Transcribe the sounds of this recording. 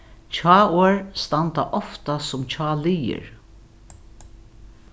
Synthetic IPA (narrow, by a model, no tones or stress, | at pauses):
t͡ʃʰɑːoːɹst̪ant̪aʔɔft̪asʊmt͡ʃʰɑːlijɪ̰ɹ